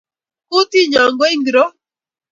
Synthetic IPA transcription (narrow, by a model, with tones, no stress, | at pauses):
ku˦t̪i˦ɲɔ˨ŋɡo˦i˦ŋɡɾo˦